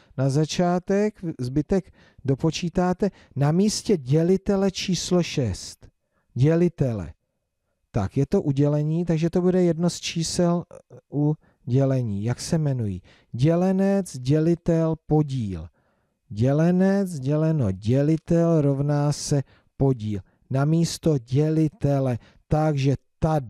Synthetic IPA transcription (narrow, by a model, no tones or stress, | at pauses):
nazat͡ʃaːt̪ɛkzbɪt̪ɛɡ | do̞po̞t͡ʃiːt̪aːt̪ɛ | namiːscɛɟɛlɪt̪ɛlɛt͡ʃiːslo̞ʃɛst̪ | ɟɛlɪt̪ɛlɛ̰ | t̪a̰kjɛt̪o̞ʔuɟɛlɛɲiːt̪aɡʒɛt̪o̞budɛjɛdnost͡ʃiːsɛlʔu | ɟɛlɛɲiːjaksɛmɛnujḭː | ɟɛlɛnɛt͡sɟɛlɪt̪ɛlpo̞ɟiːl | ɟɛlɛnɛt͡sɟɛlɛnoɟɛlɪt̪ɛlɾo̞vnaːsɛ | po̞ɟiːl | namiːst̪o̞ɟɛlɪt̪ɛlɛ | t̪aɡʒɛt̪a